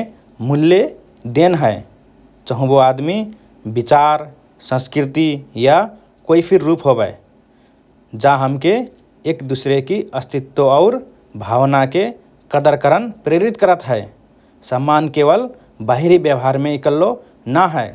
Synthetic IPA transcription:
mulːe | d̪enɦəe | t͡ʃəɦũboad̪mi | bit͡ʃaɾ | sə̃skɾit̪ija | koipʰiɾːupɦobəɪ | d͡ʒaɦəmke | ekd̪usɾekiəst̪ʰit̪ːoaʊɾ | bʱawnake | kəd̪əɾkəɾənpɾeɾit̪kəɾət̪ɦəɪ | səmːankeβəl | baɦiɾibjəbɦaɾmeikəlːo | naɦəe

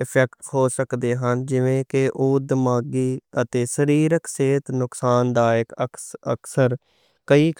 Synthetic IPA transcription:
ɪpʰɛkʈhoːsəkd̪eːɦənd͡ʒɪʋẽːkɪʔuːd̪maːɡiːət̪eːsəɾiːɾəkseːt̪nʊksaːnd̪aːɪkəə̰ksəɾ | kəiːk

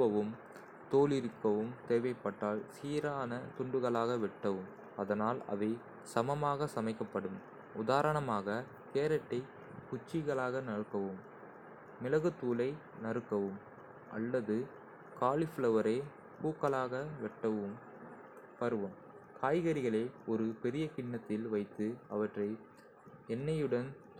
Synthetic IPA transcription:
ʋɐʋɯm | t̪oːlɪɾɯkːɐʋɯmt̪eːʋɐɪpːɐʈːaːɭsiːɾaːnɐt̪ʊɳɖɯɣɐɭaːɣɐʋɛʈːɐʋɯm | ɐðɐnaːlɐ̰ʋɐɪ | sɐmɐmaːɣɐsɐmɐɪkːɐpːɐɽɯm | ʊðaːɾɐɳɐmaːɣɐ | t̪eːɾɐʈːɐɪ | kʊt͡ʃːɪɣɐɭaːɣɐnɐɾɯkːɐʋɯmː | ɪlɐɣɯt̪ːuːlɐɪ | nɐɾɯkːɐʋɯm | ʔɐ̰lːɐðɯ | kaːɭɪflɐʋɐɾɐɪ | puːkːɐɭaːɣɐʋɛʈːɐʋɯm | pɐɾɯʋɐm | kʰaːjɣɐɾɪɣɐɭeːɔɾɯpɛɾɪjɐkɪɳːɐt̪ːɪlʋɐɪt̪ːɯɐʋɐʈrɐɪ | ɛnːɐjɯɽɐn

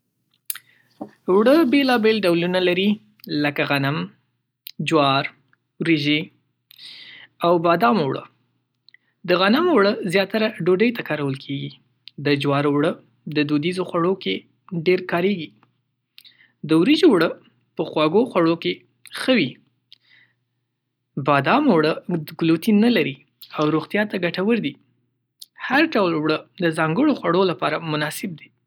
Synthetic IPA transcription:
wɽəbelɑbelɖawlunalaɾi | ləkaɣanam | d͡ʒwɑɾ | wɾiʒe | awbɑd̪ɑmwɽə̰ | d̪əɣanamwɽəzjɑt̪aɾaɖoɖəjt̪akɑɾawəlkʰeɡi | d̪əd͡ʒwɑɾwɽə | d̪əd̪od̪izoxwaɽoke | ɖeɾkɑɾeɡi | d̪əwɾid͡ʒowɽə | pəxwɑɡoxwaɽoke | xəwi | bɑd̪ɑmowɽəɡlot̪inalaɾi | awɾoɣt̪jɑt̪aɡaʈawəɾd̪i | haɾɖawlwɽəd̪əzɑŋɡəɽoxwaɽolapɑ̰ɾamʊnɑsɪb̚d̪i̥

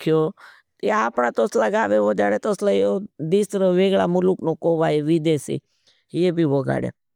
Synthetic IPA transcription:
kjoː | t̪aaːpɳ̃at̪oslaɡaːʋeʋod͡ʒaɽet̪oslajod̪isɾəʋeːɡɭamʊluknokoʋaːeʋid̪esḭ | jebʱiʋoɡa̰ːɽḛ

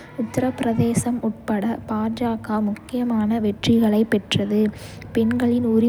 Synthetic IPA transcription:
ʊt̪ːɐɾɐpːɪɾɐðeːsɐmʊʈ̚pɐɽɐpaːd͡ʒaːɣaːmʊkːɪjɐmaːnɐʋɛʈrɪɣɐɭɐɪpːɛʈrɐðɯ | pɛnɡɐɭɪnʊɾɪ

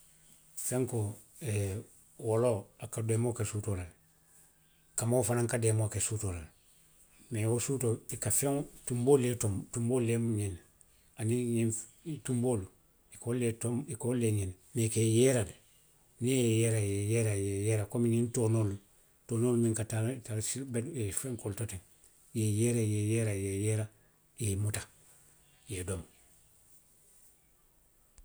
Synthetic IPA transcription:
feŋko | e | woloakademokesutolal | kamafanãŋkademokesutolal | mewosutoikafẽŋtumboːletomtumboːlemuɲen | aniɲitumboːlu | ikoletomikolːeɲɛn | nekejeɾal | nijejeɾajejeɾajejeːɾakomiɲintonolu | tonolmiŋkatatalsibeefeŋkoltoteŋ | jejeɾajejeɾajejeɾa | jemuta | jedom

